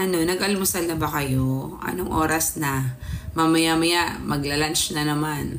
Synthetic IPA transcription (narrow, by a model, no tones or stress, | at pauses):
ʔɐno̞nɐɡʔɐlmʊsɐlnɐbɐkɐjo̞ʔɐ̰noŋʔo̞ːɾɐsnɐmamɐjamɐjaʔmɐɡlɐlant͡ʃnɐnɐman